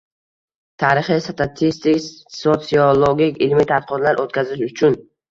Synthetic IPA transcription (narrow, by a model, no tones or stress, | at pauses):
t̪ʰaɾɪχisat̪ʰat̪ʰist̪ikʲsot̪siolˠoɡʲikʲɪlmit̪ʰat̪̚qʰɒt̪laɾʔot̪̚kʲʰazɪʃʊt͡ʃʰʊn